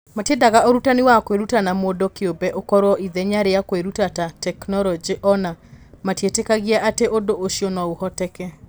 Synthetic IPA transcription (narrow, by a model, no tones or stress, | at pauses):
matjedaɣaʔoɾutaniwakweɾutanamodɔkeobɛʔokɔɾwɔʔiðɛɲaɾejakweɾutatatɛknɔlɔd͡ʒiʔɔnamatjetekaɣiaʔateʔodoʔoʃjɔnɔohɔtɛkɛ